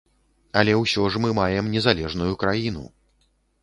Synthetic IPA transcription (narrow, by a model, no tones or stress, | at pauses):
ɐlʲɛwsʲɔʐmɨmajɛmnʲɛzalʲɛʐnujukɾajinṵ